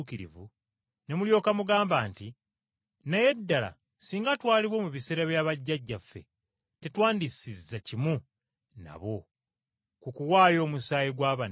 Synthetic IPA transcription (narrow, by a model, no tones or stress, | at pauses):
kiɾḭvṵ | ne̞muljo̞ːkamuɡaːmbaːnti | naje̞dːala̰ | siːŋɡatwaːliβwo̞muβise̞ːɾaβjaːβaɟːaɟːafːe̞̰ | te̞twaːndisizːacimu | na̰βo̞ | kukuwaːjo̞ːmusaːjiɡwaːβan